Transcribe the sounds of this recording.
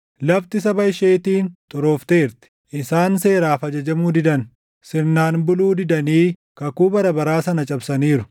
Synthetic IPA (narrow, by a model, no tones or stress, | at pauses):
lɐbt̪ɪsɐbɐjʃeːt̪iːnt̪ʼʊɾoːft̪e̞ːɾt̪ɪ̥ʔɪsaːnse̞ːɾaːfɐd͡ʒɐd͡ʒɐmuːd̪ɪd̪ɐn | sɪnːaːnbʊluːd̪ɪd̪ɐniː | kɐkuːbɐɾɐbɐɾaːsɐnɐt͡ʃʼɐbsɐniːɾʊ̥